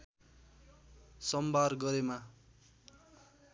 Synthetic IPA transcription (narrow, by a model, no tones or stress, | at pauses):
sʌmbarɡʌɾema